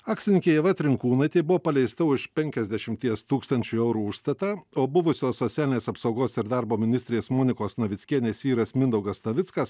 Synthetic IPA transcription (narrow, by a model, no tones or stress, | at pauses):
ɑːksʲɪnʲɪkʲeːjɛʋɐt̪ʲɾʲɪŋkuːnɐɪt̪ʲɐɪbʊʋoːpɐlʲɛɪst̪ɐʊʃpʲɛŋʲkʲɛzʲd̪ʲɛʃʲɪmʲt̪ʲiɛst̪uːkst̪ɐnʲt͡ʃʲuɛʊɾuːʊʃst̪ɐt̪ɑoːbʊʋʊsʲoːsːot̪sʲæːlʲɪnʲeːsɐpsɒʊɡoːsɪɾd̪ɑɾboːmʲɪnʲɪsʲt̪ʲɾʲeːsmoːnʲɪkoːsnɐʋʲɪtsʲkʲiɛnʲeːsʋʲiːɾɐsmʲɪnd̪ɐʊɡɐsnɐʋʲɪt̪skɐs